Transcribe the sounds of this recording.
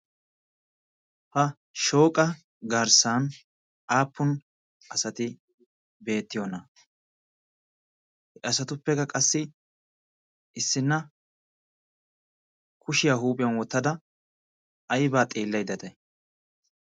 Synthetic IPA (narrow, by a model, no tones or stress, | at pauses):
hɐ | ʃo̞ːkʼɐ | ɡɐɾsaːn | ʔaːpːʊn | ɐsɐt̪ɪ | be̞ːt̪ːɪjonɐ | hɛɐsɐt̪ʊpːɛkɐkʼɐsːɪ | ɪsːɪnːɐ | kʰʊʃɪjaːɦuːpʼɪjɐnwɔt̪ːɐd̪ɐ | ɐjbaːt̪ʼeːlːɐjd̪ɐt̪ɐj